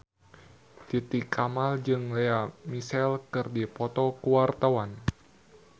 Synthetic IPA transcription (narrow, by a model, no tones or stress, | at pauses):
t̪it̪ikʰːamald͡ʒɨŋlɛamisɛlkɨrdipɔt̪ɔkuwart̪awan